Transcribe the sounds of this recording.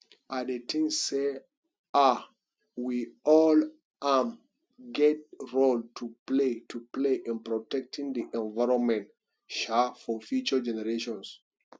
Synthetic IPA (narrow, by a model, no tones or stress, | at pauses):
ʔadətʰĩŋsse | a | wiɔl | ʔam | ɡɛt̚ɹoltʰupletʰupleʔĩnpɹɔtɛk̚tʰĩŋdiʔɛ̃nvaɹɔ̃nmɛ̃nt | ʃafɔfjut͡ʃə˞d͡ʒɛnɛɹeʃɔ̃ns